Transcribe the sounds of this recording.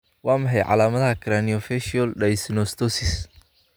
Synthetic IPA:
wɑːmɐħɛjʕɑ̰laːmɐðɐɦɐkʰɾaniɔfɛʃɔlɖɐjsnɔst̪ʰɔsɪs

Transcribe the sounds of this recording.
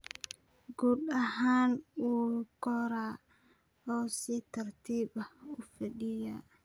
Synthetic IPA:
ɡuːdɐɦaːnuːkɔɾaː | ɔːsit̪ʰɐrt̪ʰiːbɐʊfɐɗɪjaː

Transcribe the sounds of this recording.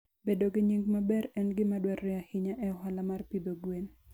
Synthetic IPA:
bedoɡɪɲiŋɡmabɛɾɛnɡɪmadwɛɾɪahɪɲaʔɛɔɦalamarpid̪oɡwen

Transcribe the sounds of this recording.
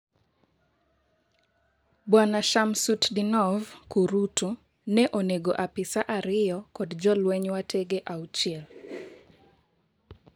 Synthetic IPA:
bwanaʃamsutdinɔvkuɾutu | nɛʔoneɡoʔapɪsaʔaɾɪjɔkɔdd͡ʒɔlwɛɲwatʰeɡeʔaut͡ʃiɛl

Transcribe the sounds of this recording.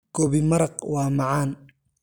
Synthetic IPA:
ɡ̥ɔːβɪmɐɾɐqwɑːmɑʕɑːn

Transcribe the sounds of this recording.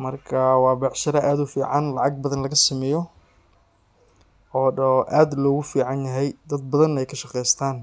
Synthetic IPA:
mɐrkʰɐwɑːbɑħʃɐɾɐʔaːd̪ʊfiːʕɑnlɑʕɑɡ̚bɐðɐnlɐɣɐsɪmɛjɔ | ɔːʔaːd̪lɔːɣʊfiːʕɑnjɐɦɛjd̪ɐd̪̚bɐðɐnɛjkʰɐʃɑqɛjst̪ʰaːn

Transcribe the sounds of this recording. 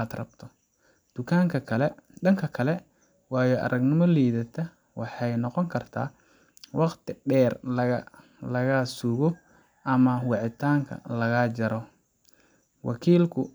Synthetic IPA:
ad̪rɐ̰b̚t̪ʰɔ | d̪̥ʊkʰaːŋkʰɐkʰɐlɛɐŋkʰɐkʰɐlɛ | wɑːjɔʔɐ̰ɾɐɡnɪmɔliːðɐt̪ʰɐ | wɑħɑjnɔqɔŋkʰɐrt̪ʰa̰ː | wɑqt̪ʰɪɖɛːrlɐ | lɐɣaːsuɣɔ | ʔɐmɐwɑʕɪt̪ʰaːŋkʰɐ̰lɐɣaːd͡ʒɐɾɔ | wʔɑ̰kʰiːlkʰʊ

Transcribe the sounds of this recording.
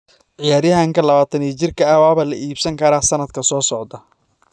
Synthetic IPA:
ʕɪjaːɾjɐɦaŋkʰɐlɐβaːt̪ʰɐniːt͡ʃɪrkʰɐɐwaːβɐlɐʔiːbsɐŋkʰɐɾaːsɐnɐd̪kʰɐsɔːsɔʕd̪ɐ

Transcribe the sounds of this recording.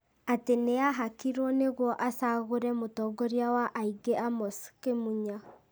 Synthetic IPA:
ateneaɦakiɾɔneɣwɔʔasaɣoɾɛmotɔɡɔɾjawaʔaiɡeamɔskemuɲa

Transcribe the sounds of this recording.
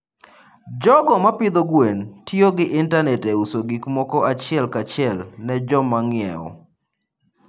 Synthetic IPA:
d͡ʒɔɡɔmapɪd̪ɔɡwentjoɡɪʔɪntanɛtɛusoɡikmɔkɔat͡ʃɪɛlkat͡ʃɪɛlnɛd͡ʒɔmaŋɪɛ̰ɔ̰

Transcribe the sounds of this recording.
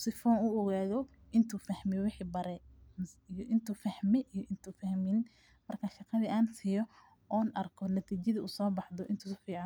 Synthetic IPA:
sɪfɔːnʊɔɣaːðɔʔɪnt̪ʰuːfɐhmɪjwɪħiːbɐɾɛmsijʔɪnt̪ʰuːfɐhmɛʔijɔʔɪnt̪ʰuːfɐhmɪn | mɐrkʰɐʃɑqɑðiʔaːnsɪjɔ | ʔɔːnʔɐrkʰɔnɐt̪ʰiːt͡ʃɐðiʔuːsɔːbɑħðɔʔɪnt̪ʰuːsfiːʕɑn

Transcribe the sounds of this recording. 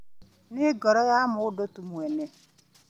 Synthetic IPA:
nɪɡɔɾɔɣamʊdotumuɛnɛ

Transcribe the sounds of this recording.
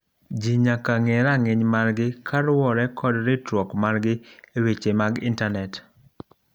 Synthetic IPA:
d͡ʒiɲakaŋeɾaŋɪɲmaɾɡɪkʰaɾwɔɾɛkʰɔdɾɪtɾwɔkmaɾɡɪewet͡ʃemaɡɪntanɛt

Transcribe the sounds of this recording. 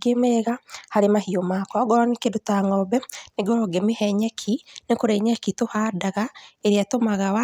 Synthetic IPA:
ɡemɛɣahaɾemahiomakɔɡɔnekedotaŋɔbɛneɡɔɾɔɡemehɛɲɛkʰinekoɾeɲɛkitohaːdaɣaeɾeatomaɣawa

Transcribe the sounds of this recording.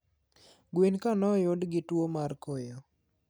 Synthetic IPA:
ɡwinkanɔjʊdɡɪtwomarkojo

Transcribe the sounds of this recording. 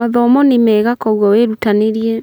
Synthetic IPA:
aðɔmɔnemɛːɣakɔɣwɔweɾutaneɾiɛ

